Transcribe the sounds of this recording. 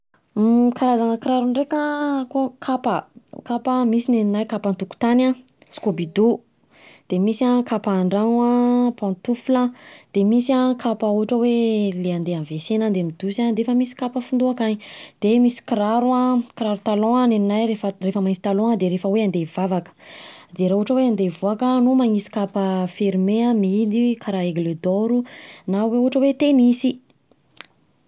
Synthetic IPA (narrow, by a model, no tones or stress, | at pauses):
kaɾazaŋəkiɾaɾunɖ͡ʐekakokʰapəkapamisineninajkapant̪uku̥t̪anã | si̥kobid̪u | d̪̥emisakʰapaːɳɖ͡ʐaŋapɔ̃nt̪ufulad̪̥emisiakʰapauaʈ͡ʂəweleand̪eanvesenand̪emid̪usanɾefəmisi̥kapəfund̪uakaɲid̪̥emisi̥kiɾaɾuãkɾaɾut̪alɔ̃aneninajɾefərefəmaŋisi̥t̪alɔ̃ŋəd̪eɾefəweand̪ev̥avakə̥d̪eɾauʈ͡ʂəweand̪evuakənumaŋisi̥kapəfiɾimeãmid̪ikʰaɾaeɡled̪oɾunaweuʈ͡ʂəwet̪emisi